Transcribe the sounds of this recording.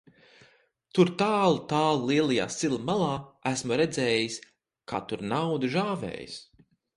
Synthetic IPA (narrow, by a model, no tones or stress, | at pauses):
t̪uɾt̪aːlˠut̪aːlˠliɛlˠaja̰ːsilˠimalˠɑːæsmuɾɛd̪zɛːjis | kʰa̰ːt̪uɾnawd̪uʒaːvɛ̰ːjḭs